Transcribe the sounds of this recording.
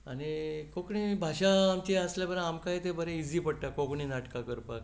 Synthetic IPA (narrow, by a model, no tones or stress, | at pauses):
aɽikokɳibʱaɕãːmt͡ɕeəslẽbəɾãamkajt̪ebəɾẽid͡ziːpəɽʈakokɳinaʈkakəɾpak